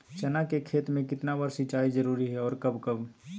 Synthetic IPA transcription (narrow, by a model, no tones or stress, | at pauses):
t͡ʃɛnakekʰeːt̪mẽkɪt̪nabəɾsɪt͡ʃaːid͡ʒəɾuːɾiɦɛɔːɾkɐbkəb